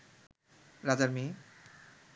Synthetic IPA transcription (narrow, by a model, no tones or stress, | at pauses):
ɾad͡ʑaɾmi